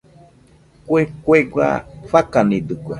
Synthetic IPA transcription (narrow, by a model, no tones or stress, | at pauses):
kwekweɡwa̰fakanĩd̪ɨkʷwa̰